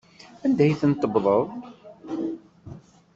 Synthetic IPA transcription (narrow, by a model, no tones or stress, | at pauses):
ænd̪æjθənt̪ˤːəbðˤəðˤ